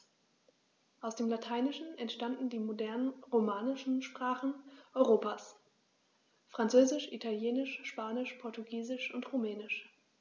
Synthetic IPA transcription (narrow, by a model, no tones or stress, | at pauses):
ʔaʊsd̥eːmlatʰaɪnɪʃn̩ɛntʃtandn̩diːmodɛɐnənʁomaːnɪʃn̩ʃpʁ̥aːχn̩ʔɔʏʁoːpaːs | fʁ̥ant͡søːzɪʃʔitʰaljeːnɪʃʃpaːnɪʃpʰɔɐtuɡiːzɪʃʊntʁomɛːnɪʃ